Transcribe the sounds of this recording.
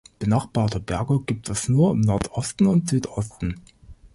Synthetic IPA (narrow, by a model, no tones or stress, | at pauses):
b̥ənaχb̥aːtəbɛɐɡoɡ̥iːp̚tʰɛsnuːɐɪmnɔɐtʔɔstn̩ʊntz̥yːtʔɔstn̩